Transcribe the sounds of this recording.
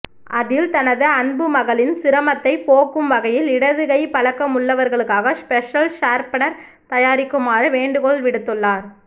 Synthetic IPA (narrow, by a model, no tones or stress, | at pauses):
ʔɐðɪlt̪ɐnɐðɯɐnbɯmɐɣɐɭɪnsɪɾɐmɐt̪ːɐɪpoːkːɯmʋɐɣɐjɪlɪɽɐðɯɣɐɪpɐlɐkːɐmʊɭːɐʋɐɾɣɐɭɯkːaːɣɐspɛʂɐlʂaːɾpɐnɐɾ | t̪ɐjaːɾɪkːɯmaːɾɯʋeːɳɖɯɣɔɭʋɪɽɯt̪ːɯɭːaːɾ